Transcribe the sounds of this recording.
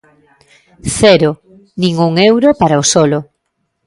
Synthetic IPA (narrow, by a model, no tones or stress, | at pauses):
θɛɾo | nĩŋuŋewɾopaɾaosɔlo